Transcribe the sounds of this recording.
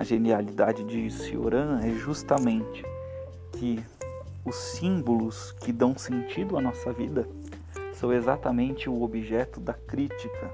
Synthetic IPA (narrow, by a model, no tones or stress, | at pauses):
ɐ̰ʒenialid̪ad͡ʒɪd͡ʒɪsḭo̰ɾɐ̃ɛʒust̪ɐmẽnt͡ʃɪ̥ | kʰɪ | ʊsːĩbolʊs | kɪd̪ɐ̃w̃sẽnt͡ʃid̪ʊɐnɔsɐvid̪ɐ | sɐ̃w̃ezat̪ɐmẽnt͡ʃɪʊobiʒɛt̪ʊd̪ɐkɾit͡ʃikɐ